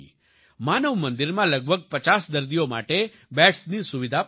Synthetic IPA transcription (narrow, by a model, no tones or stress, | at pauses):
manəʋmə̃nd̪iɾmãləɡ̚bʱəɡ̚pət͡ʃasd̪əɾd̪ijoma̰ʈe | bɛʈsnisuʋid̪ʱa